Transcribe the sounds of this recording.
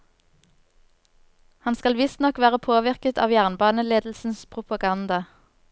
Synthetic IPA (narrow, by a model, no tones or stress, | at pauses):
hɑnskɑlʋɪst̪nɔkʋæːʁəpʰoːʋɪʁkət̪ʰɑ̰ːʋjæːʁnbɑːnəleːd̪l̩sn̩spʰʁʊpɑɡɑnd̪ɑ